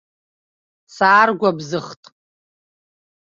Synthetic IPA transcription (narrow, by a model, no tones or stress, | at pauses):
saːrɡʷabzɨχtʼ